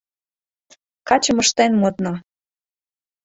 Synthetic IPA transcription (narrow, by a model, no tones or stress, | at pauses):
kɑt͡ɕəməʃt̪enmot̪no